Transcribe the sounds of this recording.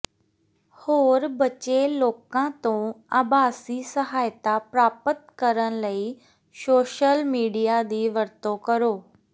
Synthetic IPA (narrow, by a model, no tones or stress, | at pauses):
hoːɾbɐt͡ɕeloːkãt̪õa̰ːbaːsisəɦaːjt̪apɾaːpət̪kəɾəñləiː | soːʃəlmiːɖijad̪iːʋɐɾt̪okɐɾoː